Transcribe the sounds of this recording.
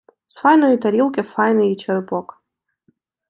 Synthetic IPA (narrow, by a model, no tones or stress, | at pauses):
sfajnojit̪ɐɾʲilˠkʲefajnɨjit͡ʃʰɐɾɨpʼok